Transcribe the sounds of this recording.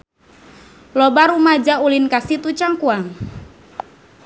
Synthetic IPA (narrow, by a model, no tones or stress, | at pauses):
lɔbaɾumad͡ʒaulinkasit̪ut͡ʃaŋkuaŋ